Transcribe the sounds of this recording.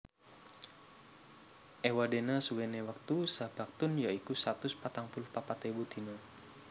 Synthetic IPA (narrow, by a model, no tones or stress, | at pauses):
ʔewadenasuwenewak̚t̪usab̥ak̚t̪ʊnjaikusat̪ʊspat̪aŋpulʊhpapat̪ebud̪inə